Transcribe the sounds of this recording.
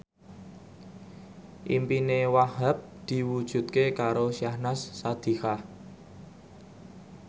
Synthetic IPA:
ʔimpinewahəp̚d̪̥i̤wud̥ʒ̥ṳt̪̚kekaɾosiahnasːad̪̥i̤hah

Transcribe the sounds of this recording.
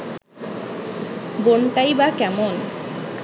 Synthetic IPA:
bonʈajbakɛmon

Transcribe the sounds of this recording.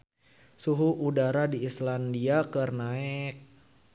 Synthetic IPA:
suɦuudaɾadiislandiakərnaɛk̚

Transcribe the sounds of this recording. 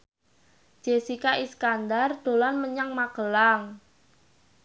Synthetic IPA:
d͡ʒ̥esikaiskand̪ard̪̥o̤lanməɲaŋmaɡ̥əlaŋ

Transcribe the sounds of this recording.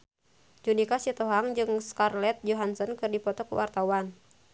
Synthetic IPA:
d͡ʒunikasit̪ɔɦaŋd͡ʒɨŋskarlɛt̪̚d͡ʒoɦansɔnkɨrdipɔt̪ɔkṵwʔa̰rt̪awan

